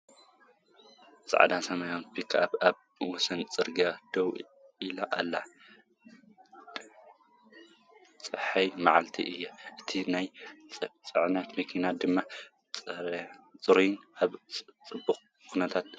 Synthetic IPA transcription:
z̥̰ʼʕa̰d̪asɐmajonpikʰaβaβ | wɔsɐnt͡sʼɨɾɡad̪̥ow | ilaʔalːa | t͡sʼɨħɐjmaʕalt̪ʰḭʔɨjːɐʔɨt̪ʰinajt͡sʼt͡sʼɨʕnɐt̪mɐkʰinad̪ɨmːa | t͡sʼɨɾujnʔaβʼt͡sʼɨbːuχʼ | kʰunɐt̪ʰat̪̚

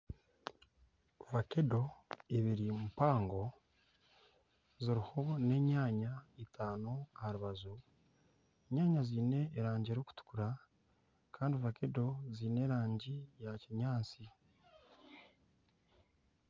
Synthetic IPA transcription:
vakedo̞eβiɾimupaːŋɡo̞ | ziɾiho̞ne̞ɲaːɲaitʰaːnohaɾuβazu | eɲaːɲaziːne̞ːɾaːɲɟieɾoku̥tu̥kuɾa | kaːndivake̞do̞ziːne̞ːɾaːɲɟijaciɲaːt͡si

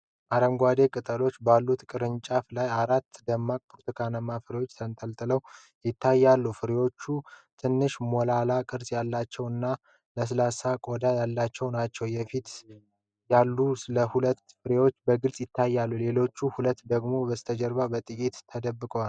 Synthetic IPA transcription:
ʔaɾəŋɡʷad̪e̞kʼɨt̪ʼəlo̞t͡ʃːbalːut̪kʼɨɾɨɲt͡ʃʼaflajaɾat̪ːd̪əmːakʼpʰɾot̪ʰəkʰanəmafɨɾewot͡ʃːsʰənt̪ʰʼəlt̪ʼɨləw | jɪt̪ʰːajːalːufɨɾewo̞t͡ʃːut̪ʰɨnːɨʃmolalakʼɨɾsʼjalːat͡ʃːɛwɨnːa | ləs̬ɨlasakʼod̪ajalːat͡ʃːɛwnat͡ʃːɛwjɛfit̪ | jalːusɨləhulət̪ːfɨɾewo̞t͡ʃːbəɡɨlsʼjɪt̪ʰːajːalːule̞lo̞t͡ʃːuhulət̪ːd̪əɡmo̞bəst̪ʰəd͡ʒəɾbabət̪ʼɨkʼit̪t̪ʰːəd̪əbːɨkʼəwal

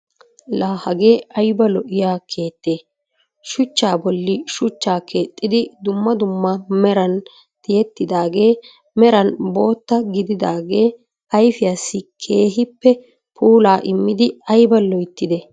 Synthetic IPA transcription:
laːhɐɡe̞ːɐjbɐlɔʔɪjaːkʰeːt̪ʼːe̞ː | ʃʊt͡ʃːaːbɔlːɪʃʊt͡ʃːaːkʰe̞ːt̪ʼːɪd̪ɪd̪ʊmːɐd̪ʊmːɐmɛɾɐn | t̪ɪjɛt̪ːɪd̪aːɡe̞ː | mɛɾɐnbo̞ːt̪ːɐɡɪd̪ɪd̪aːɡe̞ː | ɐjfɪjaːsːɪkʰe̞ːɦɪpːɛ | pʰuːlaːʔɪmːɪd̪ɪɐjbɐlɔjt̪ːɪd̪ɛ

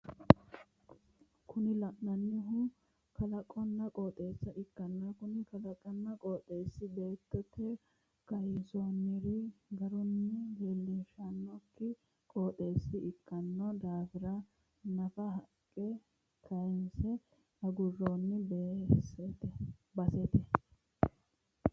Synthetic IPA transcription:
kʊnɪlɐʔnɐnːɪɦʊ | kɐlɐkʼːɔnːɐkʼoːt̪ʼe̞ːsːɐʔɪkːɐnːɐkʊnɪkɐlɐkʼːɐnːɐkʼoːt̪ʼeːsːɪbe̞ːt̪ːɛt̪ʰːɛ | kɐjɪsoːnɪɾɪɡɐɾʊnːɪheːlːɪʃanːɔkːɪ | kʼoːt̪ʼe̞ːsːɪɪkːɐnːɔd̪aːfɪɾɐ | nɐfɐɦɐkʼːɛ | kʰɐjɛnsɛ | ɐɡʊrːoːnːɪb | bɐsɛt̪ɛ

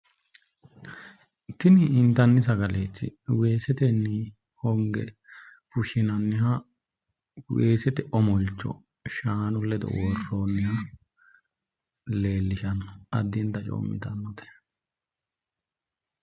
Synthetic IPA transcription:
t̪ɪnɪːnt̪ɐnːɪsɐɡɐleːt͡sːɪ̰we̞ːsɛt̪ɛnːɪ | hɔŋɡɛ̰ | fʊʃɪnɐnːɪhɐ | weːsɛt̪ɛʔɔmɔlt͡ʃːɔ̰ | ʃaːnʊlːɛd̪ɔ̰wɔrːonːɪhɐ | leːlːɪʃɐnɐd̪ːɪnt̪ɐt͡ʃʼɔ̰ːmːɪ̰t̪ɐnːɔt̪ɛ̥

